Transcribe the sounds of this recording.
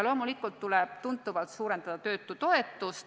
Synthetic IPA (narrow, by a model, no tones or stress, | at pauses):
ɑlo̞ːmulikːult̪ːulɛb̥t̪unt̪ːˑuvɑlt̪suːɾe̞nd̪̥ɑd̪̥ɑt̪ø̞ːt̪ːˑut̪o̞et̪ːˑust̪